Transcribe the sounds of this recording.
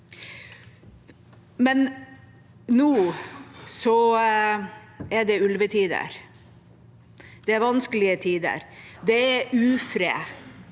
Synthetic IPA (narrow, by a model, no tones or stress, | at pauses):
mɛn | nuː | sɔ | æɖɛʉlʋət̪ʰiːd̪ə̰ɾ | d̪̥ɛæɾʋɑnskəlɪət̪ʰiːd̪ə̰ɾd̪ɛæʔʉːfɾḛː